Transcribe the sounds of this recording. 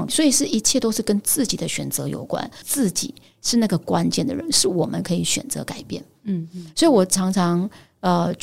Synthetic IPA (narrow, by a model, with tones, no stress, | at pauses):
swɔ˧˥i˨˩ʂɻ̩˥˩i˧˥t͡ɕʰjɛ˥˩t̪o˥ʊʂɻ̩˥˩kə˥nt͡sɹ̩˥˩t͡ɕi˨˩d̪ə˦ɕɥɛ˨˩nt͡sɤ̰˧˥jo̰˨˩ʊkwa̰˥nt͡sɹ̩˥˩t͡ɕḭ˨˩˦ | ʂɻ̩˥˧na˥˩ɡə˩kwa˥nt͡ɕjɛ˥˩nd̪ə̰˩ɻə̰˧˦nʂɻ̩˥˩wɔ˨˩mʔə̰˦nkʰɤ˧˥i˧˥ɕɥɛ̰˨˩nt͡sɤ̰˧˥ka˨˩ɪpjɛ̰˥˩n | swɔ˧˥i˧wɔ˨˩ʈ͡ʂʰɑ˧˥ŋʈ͡ʂʰɑ˧˥ŋ | ə˧